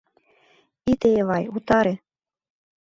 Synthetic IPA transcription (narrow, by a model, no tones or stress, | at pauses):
it̪eβɑjut̪ɑɾĕ